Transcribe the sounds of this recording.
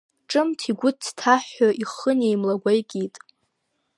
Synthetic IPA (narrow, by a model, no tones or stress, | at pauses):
ʈ͡ʂʼɨmtʰiɡʷʊttʰaħːaʔiχənejmlaɡʷajkʲʼitʼ